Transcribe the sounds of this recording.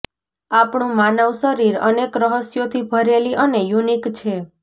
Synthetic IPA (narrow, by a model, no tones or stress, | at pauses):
apɳũmanəʋʃəɾiɾənekɾəɦəsjot̪ʰibʱəɾeliʔənejunikt͡ʃʰe